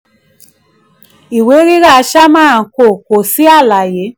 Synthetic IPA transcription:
i˨we˨˦ɾi˦ɾa˦˨˧ʃa˦mãː˦˨ko˨ko˨si˨˦a˦˨la˨je˨˦

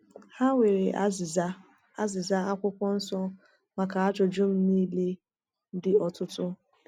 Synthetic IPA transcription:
ha˦wʷe˨ɾe˨ʔ | a˦zɪ˨za˦a˦kʷʊ˦kʷɔ˦n̩˦sɔ˦ | ma˨ka˨a˦t͡ʃɔ˨d͡ʒʊ˦m̩˦niː˦le˦ | dɪ˦ɔ˨tʊ˦tʊ˦

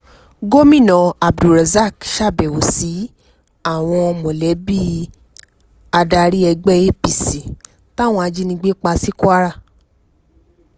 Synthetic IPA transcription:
ɡo˦mĩ˦˨nɔ̃˨a˨bdu˨ɾɛ˨za˦˨kʃa˦˨bɛ˨o˨si˨˦ | a˦˨w̃ɔ̃˧mõ˨lɛ˨˦bi˦˨ | a˧da˧ɾi˦ɛ˧ɡ͡bɛ˦e˦˨pi˨si˨ | ta˦˨w̃ɔ̃˧a˧d͡ʒi˦nĩ˧ɡ͡be˦k͡pa˧si˦ku˦a˦ɾa˦˨

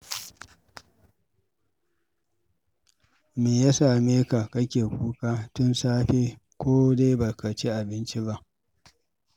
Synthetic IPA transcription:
meː˨ja˦saː˨meː˦ka˨kɐ˦kʲeː˨kʷʼuː˦kʼaː˦tʊ˦nsaː˦ɸeː˦kʷoː˦de˦jbɐ˨ka˨t͡ʃe˦ʔa˨bɪ˦nt͡ʃi˦ba˦ʔ

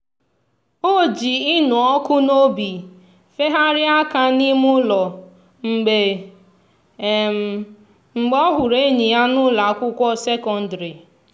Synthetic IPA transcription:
o˦˨d͡ʒi˨ɪ˦nʊ˨ɔ˦kʊ˦n˦o˦bi˨ | fe˦ɦa˦ɾɪ˦a˦ka˦ni˦mʊ˦lɔ˨ | ŋ͡m̩˨ɡ͡be˨ | ŋ͡m̩˨ɡ͡bɔ˦ɦʊ˨ɾe˦ɲi˨a˦nʊ˦la˨kʷʊ˦kʷɔ˦se˦kɔ˨n̩˨˦dɾi˨

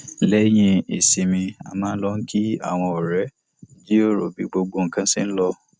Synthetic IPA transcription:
lɛ˨˦j̃ĩ˧e˨si˨mĩ˧a̰˨mãː˨˦n̩˦lɔ˧ŋ̩˦kʰi˦a̰˦˨w̃ɔ̃˧ɔ˨ɾɛ˨˦ | d͡ʒi˦o˦˨ɾo˨bi˨˦ɡ͡bo˧ɡ͡bo˧ŋ̩˨kã˦si˦n̩˦lɔ˧

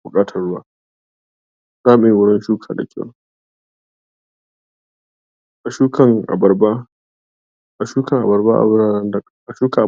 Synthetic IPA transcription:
bʊ˨kʼaː˦tʰɐ˦˨rɽʊ˦wa̰ː˦ | z̥aː˦˨meː˨wʊ˦ɽɐ˦nʃuː˦kʰaː˨da̰˨kʲʰa̰˦w | ʔa˨ʃuː˦kɐ˨ŋʔa̰˨bɐ˨ba˦ | ʔa˨ʃuː˦kʰɐ˨ŋʔa˨bɐ˨rba̰˦ʔa̰˨bɾaː˦n˦nd | ʔa˨ʃuː˦ka˨ʔa˨

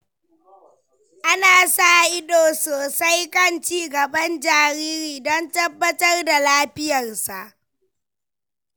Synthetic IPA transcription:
ʔa˦naː˨sa˦˨ʔɪ˦doː˨soː˨sa˦jkɐ˦˨nt͡ʃiː˦ɡɐ˨bɐ˦nd͡ʒaː˨ɾiː˦ɾiː˨dɔ˦ntɐ˦bːɐ˦tɐ˦rda˨laː˦ɸɪ˦jɐ˨rsa˨ʔ

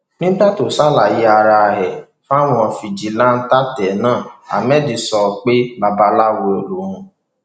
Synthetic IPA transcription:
nĩ˦ɡ͡ba˦to˨sa˦la˨ji˧a˧ɾa˧ɦɛ˨ | fa˦˨w̃ɔ̃˧fi˨d͡ʒi˨la˦n̩˦ta˦tɛ˨˦nãː˦˨a̰˨mɛ˦˨di˨˧sɔ˧˨k͡pe˦ba˧ba˧la˦wo˧o˨lo˨ɾ̃ũ˧

